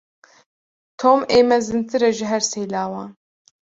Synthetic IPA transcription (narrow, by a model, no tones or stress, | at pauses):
t̪ʰoːmeːmɛzɨnt̪ʰɨɾɛʒɨɦɛɾsejlaːwɑːn